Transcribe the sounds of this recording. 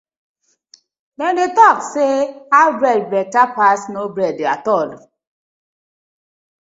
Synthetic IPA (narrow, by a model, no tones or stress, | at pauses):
dɛndetɔkseabɾɛd̚bɹɛtapasnobɹɛdatɔl